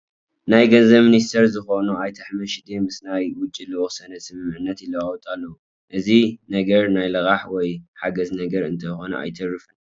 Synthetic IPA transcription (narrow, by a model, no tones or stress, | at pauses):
najɡɐnzɐmɨnist̪ʰɐɾzɨxonuajt̪ʰɐħmɐʃid̪emɨsnajwʊt͡ʃʼːilɨwɔsɐnɐsɨmɨmʕɨnːɐt̪jɪlɐwawɔt̪ʼalːɐwu | ʔɨzinɐɡɐɾnajlɐɣaħwɔjħaɡɐznɐɡɐɾɨ̰nt̪ʰɐjxo̞nɐ̰ʔa̰jt̪ʰɐrːɨfɨn